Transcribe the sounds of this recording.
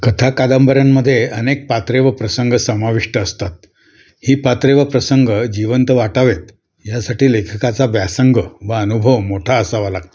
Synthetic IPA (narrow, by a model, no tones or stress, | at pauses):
kət̪ʰakad̪əmbəɾjamːəd̪ʱːjeənek̚pat̪ɾeʋəpɾəsəŋɡəsəmaʋiʂʈəːst̪at̪̚ | hiːpat̪ɾeʋəpɾəsəŋɡəd͡ʑiʋənt̪ʋaʈaʋet̪ | jasaʈiːlekʰəkat͡saʋjasəŋɡəʋəənubʱəʋmoʈʰaəsaʋalak̚